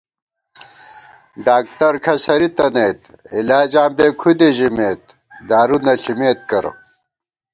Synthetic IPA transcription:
ɖaːk̚t̪ɐɾkʰɐɕɐɾit̪ɐnejt̪ilaːd͡ʑãːmbeːkʰud̪eʑimeːt̪̚ | d̪aːɾunɐɬimeːt̪̚kɐɾ̰

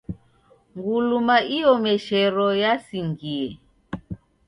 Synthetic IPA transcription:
ŋɡulumaijɔmɛʃɛɾɔjasiŋɡiɛ

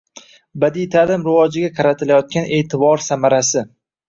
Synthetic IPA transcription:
bad̪ijt̪ʰalɪmɾɪvɒd͡ʒɪɡʲaqʰɑɾat̪ʰɪlajɒt̪̚kʲane̞ːt̪ʰɪbɒɾsamaɾasɪ

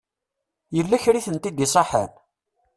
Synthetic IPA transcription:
jəlːæçɾiθənt̪ːid̪isˤɑħə̰n

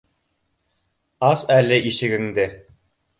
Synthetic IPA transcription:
ɑsælɘʔiʃɘ̆ɡɘ̆ŋd̪ɘ

